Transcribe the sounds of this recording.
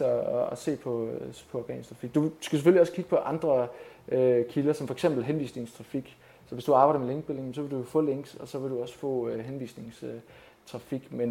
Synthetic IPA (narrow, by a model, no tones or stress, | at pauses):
ɒse̝̰ːpʰɒ̽pʰɒ̽ɒɡ̥ɛ̰ːnsdt͡sʰʁɑ̈fiɡ̥̚d̥u̥sɡ̥æseføliɒ̽skʰiɡə̥pʰɒ̽ʔɑ̈nd̥ʁɐøkʰilɐsɒ̽mfɒ̽e̥ɡ̥sem̰b̥l̩ɦenʋḭːsne̝ŋst͡sʰʁɑ̈fiɡ̥ | sɒʋe̝sd̥uɑ̈ːbɑ̈ɪdɐmeleŋɡ̥s̚b̥e̝leŋm̩s̬ɒ̽ʋe̝dufɔ̰̽ːleŋ̰ɡ̥sɒ̽sɒ̽ʋe̝ɾuɒ̽sə̥fɔ̰̽ːɦenʋḭːsne̝ŋs | t͡sʰʁɑ̈fiɡ̥men